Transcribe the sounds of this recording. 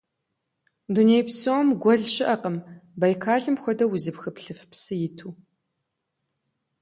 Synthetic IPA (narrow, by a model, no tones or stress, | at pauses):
dunejpsomɡʷɔɮʃɪʔɐqəmbajkʰaːɮɨmxʷɔdɐwʊzɨpxɨpɬɨfpsɨjɪtʰuː